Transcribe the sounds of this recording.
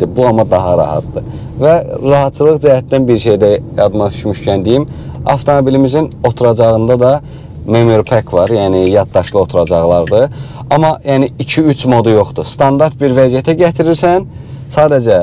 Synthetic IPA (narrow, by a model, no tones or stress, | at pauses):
ibuɑmɑd̪ɑɦɑɾɑ̰ɦɑ̰t̪̚d̪ɯ | væɾɑɦɑt̪̚t͡ʃʰɯlˠɯɣd͡ʒæhæt̪ːænbiɾʃejd̪æjɑd̪mɑt̪ʰy̥ʃmyʃcʰænd̪ijimɑ̰ft̪ʰo̞mobilimizino̞t̪ʰuɾɑd͡ʒɑʁɯnd̪ɑd̪ɑ | memoɾpʰækʰvɑɾjæːnijɑd̪̚d̪ɑʃlˠɯo̞t̪ʰuɾɑd͡ʒɑʁlˠɑɾd̪ɯ | ɑmɑjæːniicʰiyt͡ʃʰmo̞d̪ujo̞χd̪ust̪ʰɑnd̪ɑɾt̪̚biɾvæzijæt̪ʰæɟæt̪ʰiɾiɾsæn | sɑːd̪æd͡ʒæ